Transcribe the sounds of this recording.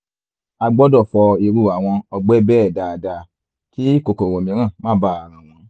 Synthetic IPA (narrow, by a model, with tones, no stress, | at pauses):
a˧ɡ͡bɔ˦dɔ˦˨fɔ˧i˧ɾu˧˨a˨w̃ɔ̃˧ɔ˧ɡ͡bɛ˦bɛː˦˨da˨˧da˧ | ki˦i˦ko˨ko˨ɾõ˨mĩ˧˦ɾ̃ã˦˨mã˦˨ba˦˨a˨ɾ̃ã˨w̃ɔ̃˧